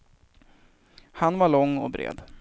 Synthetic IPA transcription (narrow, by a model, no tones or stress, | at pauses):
hanvaɭɔŋːɔ̰bɾḛːd̪